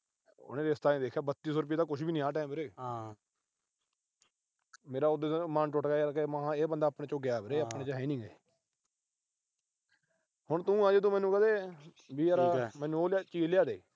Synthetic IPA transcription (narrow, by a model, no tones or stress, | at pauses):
ʊ̰nẽːɾeːst̪aːẽːd̪eːkʰːjaːbət̪ːiːs̬ɔːɾʊp̬iːd̪aːkʊʃbiːnɪ̃ːãːʈ̬ɛːmɾeː | meːɾaːʊd̪eːmaːnʈʊʈkaːkemãːeːbənd̪aːpɳẽːt͡ʃõːɡɪjaːbɾeːəpneːt͡ʃaɦɛːnɪ̃ːɡe | hʊɳt̪ũːãːd͡ʒed̪õːmɛ̃ːnːũːkəd̪eː | biːəɾaːmɛ̃ːnũːoːlat͡ʃiːlɪjaːd̪eː